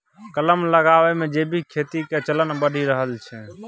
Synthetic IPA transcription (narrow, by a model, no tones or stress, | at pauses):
kələmləɡaʋemẽd͡ʒebʱikʰet̪iket͡ʃələnbəɽ̤ʱiɾəɦəlt͡ʃʰɛ